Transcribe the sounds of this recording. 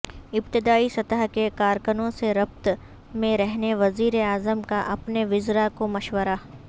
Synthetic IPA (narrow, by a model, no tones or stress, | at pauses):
ɪpt̪ɪd̪aːisɐt̪əɦkekaːɾkənõseɾɐp̚t̪ | mẽɾɛɦneʋɐziːɾeaːzəmkaʔɐpneʋɪzɾakomɐʃwəɾa